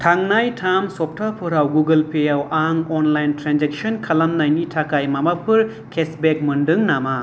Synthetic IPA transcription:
tʰaŋnajtʰamsɔp̚tʰapʰɯɾawɡuɡɯlpʰejawaŋɔnlajntɾand͡ʒek̚sɔnkʰalamnajnitʰakajmamapʰɯɾ | kʰesbek̚mɯndɯŋnama

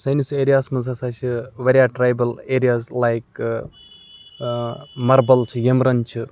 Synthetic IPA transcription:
sɐjniseːɾijaːsmɐzasat͡ʃʰɨʋeɾiaːʈɾajbɐleːɾijaːzlajk | mɐɾbɐlt͡ʃʰɨjemɾɐnt͡ʃʰɨ

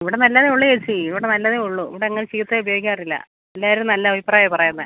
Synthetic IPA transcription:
iʋiɽe̞nɐlːɐðeuɭːuet͡ɕːɨiʋiɽe̞nɐlːɐðeuɭːuḭʋiɽeːŋːɐɭt͡ɕiːt̪ːeubɐjoɡikʲːaːrilːɐ̰ | elːaːiɾumnɐlːɐɐbʱipraːjɐpɐrɐjunːɐð

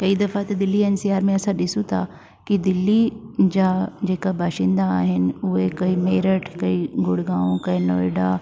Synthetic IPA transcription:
kɐid̪ɐfat̪ɐd̪ɪlːiɛːnsiaːɾmẽɐsãɗɪsũt̪ʰa | kid̪ɪlːid͡ʑaːd͡ʑeːkabaːʃɪ̃ːnd̪aːɦɪnɪ̆ʊɦekɐimeːɾəʈʰkɐiɡʊɽɡãːũkɐĩnoːɪɖa

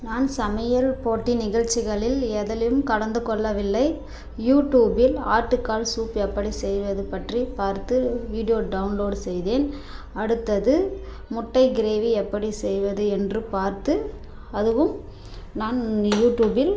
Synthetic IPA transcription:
naːnsɐmɐjɐlpoːʈːinɪɣɐɻt͡ʃːɪɣɐɭɪlɛðɐlɐjɯmkɐɽɐnd̪ɯkɔɭːɐʋɪlːɐɪ | juːʈːjuːbɪla̰ːɾʈːɯkːaːlsuːpɛpːɐɽisɛjʋɐðɯpɐʈripaːɾt̪ɯʋiːɽɪjoːɖɐʊnloːɖsɛjðeːn | ɐɽɯt̪ːɐðɯ | mʊʈːɐɪɡɪɾeːʋiɛpːɐɽisɛjʋɐðɯɛndrɯpaːɾt̪ɯ | ɐðɯʋɯm | naːnjuːʈjuːbɪl

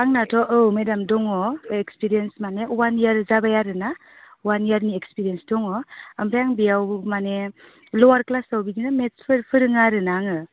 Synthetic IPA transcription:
aŋnatʰɔʔɯwmedamdɔŋɔekspiɾijensmanewanjaɾzabajaɾɯna | wanjaɾniekspiɾijensdɔŋɔampʰajaŋbijawmane | lɔwaɾklasawbiɡinametpʰɯɾpʰɯɾɯŋaɾɯnaŋɯ

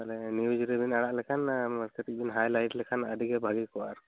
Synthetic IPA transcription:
alɛniwid͡ʒuɾibinaɽaʔlɛkʰanməɾkət̪ik̚bʱinɦajlajʈlɛkʰanəd̪ʱikɛbʱaɡikɔaɾ

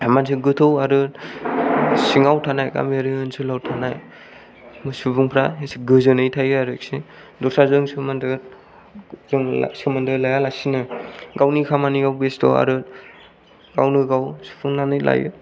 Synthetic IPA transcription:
mans̬ɯɡɯtʰɯwaɾɯt | siŋawtʰanajka̰miaɾɯɯnsɯlawtʰanaj | mɯsupuŋpʰɾaɦesiɡɯzɯnɯjtʰajɯaɾɯk̚si | dɔsʰazɯŋsɯmandɯ | zɯŋ̰sɯmandɯlajalasinɯɡawnikʰamaniawbestɔ̰a̰ɾɯt̚ | ɡa̰wnɯɡawsu̥pʰuŋnanɯjla̰jɯ̰

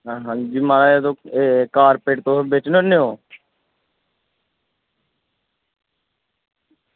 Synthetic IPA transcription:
ɦaːɦãd͡ʒiːmaːɾaed̪oːekaːɾpeːʈt̪õːbeːt͡ʃnoneoː

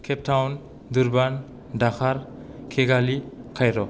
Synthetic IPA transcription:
kʰɛp̚tʰawn | d̪uɾban | daxʰaɾ | kʰeɡalikʰajɾɔ

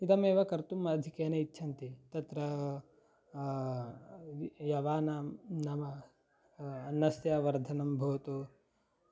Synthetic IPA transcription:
it̪ɐmeːʋɐkɐɾt̪umɐd̪ʱikeːnɐitːʃʰɐnt̪it̪ɐt̪ɾɐ | jɐʋaːnamnɐmɐ | nːɐsjaʋɐɾd̪ʱɐnɐmbʱɐːt̪o

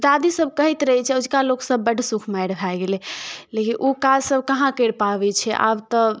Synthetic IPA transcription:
d̪ad̪isəb̚ʱkəɦit̪ɾəɦɛt͡ʃʰɛud͡ʒkaloksəbːəɖʱsukʰmajɽbʱajɡelɛlekinʔokad͡ʒsəbʱkəɦãkəɽpabɛt͡ʃʰɛʔa̰bt̪ə

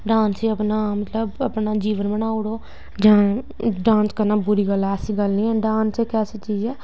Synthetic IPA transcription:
ɖãːnsiəpnaːmət̪ləbəpnaːd͡ʒiːʋənbənaːʊɽoː | d͡ʒãː | ɖãːnskəɾnaːbʊɾiːɡəlɛːsiːɡəlnĩːɛ̃ːɖãːnseːkɛːsiːt͡ʃiːd͡ʒɛː

